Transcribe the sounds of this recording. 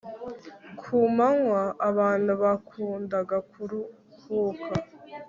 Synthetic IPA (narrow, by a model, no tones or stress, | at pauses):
kʰuːmaŋwaːβaːn̥uβakʰuːndaɡakʰuɾu | hukʰa